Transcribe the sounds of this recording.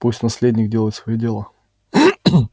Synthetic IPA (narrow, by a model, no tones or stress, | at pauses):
pusʲt̪ʲnɐsʲlʲedʲnʲɪkdʲelˠəjɪt̪svɐjidʲelˠa